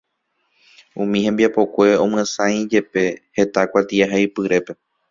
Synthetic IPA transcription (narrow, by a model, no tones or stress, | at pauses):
ũmĩhẽ̞mbiapo̞kʷe̞õ̞mɨãsãj̃d͡ʒe̞pe̞he̞t̪akʷat̪iaɦajpɨɾe̞pe̞